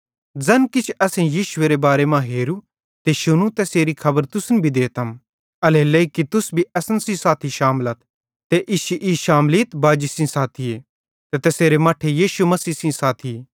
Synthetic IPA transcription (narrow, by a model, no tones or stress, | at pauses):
d͡zɐnkɪt͡ʃʰɐsẽjiːʃʊeɾebaːɾemãɦeːɾu | t̪eʃʊnũt̪eseːɾikʰɐbəɾt̪ʊsnbʱid̪eːt̪ɦɐm | ɐleːlɐikit̪ʊsbʱiɐsənsĩsaːt̪ʰiʃaːmlət̪̚ʰ | t̪eʔɪʃiʔiːʃaːmliːt̪baːd͡ʒisĩsaːt̪ʰie | t̪et̪eːseːɾemaːʈʰejiːʃumɐsiːsĩsaːt̪ʰi